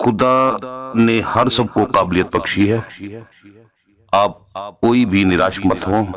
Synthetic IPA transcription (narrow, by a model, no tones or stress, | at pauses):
xʊd̪anehɐɾsɐb̚koqaːblijət̪̚pɐkʃiɦɛː | aːp̚koːibʱinɪɾaːʃmət̪ɦõː